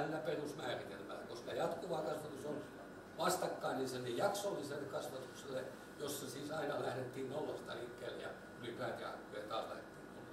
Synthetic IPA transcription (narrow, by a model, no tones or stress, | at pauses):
lːæperusmæːrit̪elmælːæ̰kosik̪æjɑt̪kuʋɑːkɑsʋɑt̪usol | ʋɑst̪ɑkːɑinninsenːejjɑksolːiselːekɑsʋɑt̪ukselːe | josːɑsiːsɑinɑlæhɾet̪ːiːnnolːɑst̪ɑlikːeːlːjɑ̰ | ulipæˑt̪jɑ̰ɑ̰kːuet̪ɑːslæ̰het̪ːiːku